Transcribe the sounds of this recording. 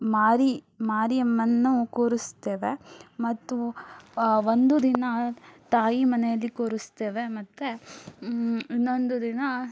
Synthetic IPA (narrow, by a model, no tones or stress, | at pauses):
maːɾi | maːɾiɐmːɐnːukoːɾust̪ːeːʋemɐt̪ːu | ʋond̪ud̪inɐt̪aːjimɐnɛjɐlːikoːɾust̪eːʋemɐt̪ːe | inːond̪ud̪inɐ